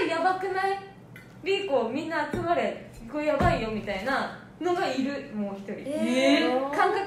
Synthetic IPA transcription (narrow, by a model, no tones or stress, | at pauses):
ijabakɯ̟nai | ɾʲiko̞ːmʲĩnːaːt͡sɨmaɾe̞kːoijabaijo̞mʲit̪aina | no̞ɡaiɾɯ̟moːçi̥t̪o̞ɾʲḭ | kãŋkak